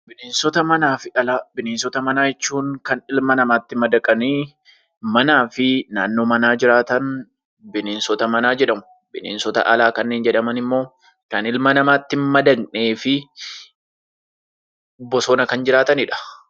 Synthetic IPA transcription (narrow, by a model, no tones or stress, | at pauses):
bɪneːnsɔt̪ɐmɐnaːfɪʔɐlaːbɪneːnsɔt̪ɐmɐnaːjɛt͡ʃːuːŋkɐnɪlmɐnɐmaːt̪ːɪmɐd̪ɐkʼɐniː | mɐnaːfɪnaːnːo̞ːmɐnaːd͡ʒɪɾaːt̪ɐn | bɪneːnsɔt̪ɐmɐnaːd͡ʒɛᶑɐmʊ̥ | bɪnḛːnsɔt̪ɐ̰ʔɐlaːkɐnːe̞ːnd͡ʒɛᶑɐmɐnɪmːo̞ː | kɐnɪlmɐnɐmaːt̪ːɪmmɐd̪ɐnne̞ːfɪ | bɔsoːnɐkɐnd͡ʒɪɾaːt̪ɐnɪᶑɐ̥